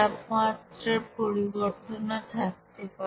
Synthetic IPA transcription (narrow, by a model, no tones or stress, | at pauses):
apmat̪ɾeɾpoɾiboɾt̪onat̪ʰak̚t̪epa